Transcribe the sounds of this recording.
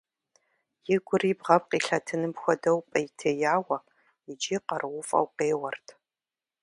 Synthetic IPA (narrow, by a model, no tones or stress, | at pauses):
jɪɡʷʊribʁɐp̚qiːɬɐtʰɨnɨmxʷɔdɐwpʼɐjtʰejaːwɐ | ɪd͡ʒiːqɐrwʊfʼɐ̰wqeːwɐrtʰ